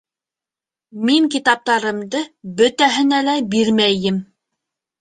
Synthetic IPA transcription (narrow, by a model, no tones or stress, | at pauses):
miŋkit̪ɑp̚t̪ɑɾɤ̆md̪ɤbɵ̆t̪æɦɘ̆nælæbiɾmæjɘm